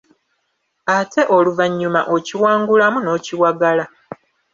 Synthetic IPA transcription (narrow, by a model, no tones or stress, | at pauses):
atʰe̞ʔo̞luvaɲːumaʔo̞ciwaːŋɡulamuno̞ːciwaɡala